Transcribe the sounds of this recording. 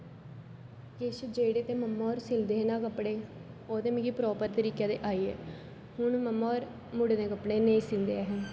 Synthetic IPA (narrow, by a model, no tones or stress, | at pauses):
kɪʃd͡ʒeːɽeːt̪eːməmːaːɾsɪld̪eːnaːkəpɽeː | oːt̪eːmɪ̃ɡipɾɔːpəɾt̪əɾiːkjaːd̪eːʔaːiːɛ̰ː | hʊɳməmːaːɾ | mʊɽed̪ẽːkəpɽeːneisɪnd̪eːɛɦɛ̃ː